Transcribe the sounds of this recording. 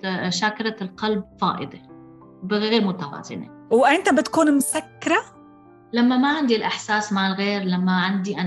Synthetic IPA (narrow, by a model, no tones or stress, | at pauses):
ʃaːkɑɾˤɑlqɑlb̚fɑ̰ːʔɪ̰d̪ˤe | bɪɣɣeːɾmʊt̪awɑ̰ːzɪ̰nḛ | wʔɪnt̪abɪt̪kuːnmʊsakːɪɾˤa | lamːamaʕɪnd̪ilʔɪħsaːsmaʕɪlɣeːɾlamːaʕɪnd̪iʔa